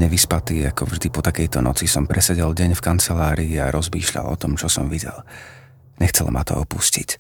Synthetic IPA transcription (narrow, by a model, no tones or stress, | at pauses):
ɲɛʋispat̪iːakɔvʒd̪ipɔt̪akɛjt̪ɔnɔt͡sisɔmpɾʔɛsɛɟɛlɟɛɲfkant͡sɛlaːɾiiaɾɔzmḭːʃʎa̰lɔ̰t̪ɔmt͡ʃɔsɔmʋiɟɛ̰l | ɲɛxt͡sɛlma̰t̪ɔ̰ɔpuscic